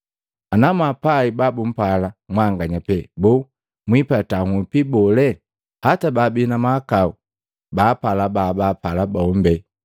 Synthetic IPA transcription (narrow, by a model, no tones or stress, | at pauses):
anamapaibabum̩palamwaŋɡaɲapɛbɔ | mwipataŋupibɔlɛ | hatababinamakau | bapalababapalabaɔmbɛ